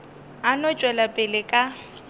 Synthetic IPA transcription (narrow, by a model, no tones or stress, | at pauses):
anɔt͡ʃʼwɛlapʼɪlɪkʼa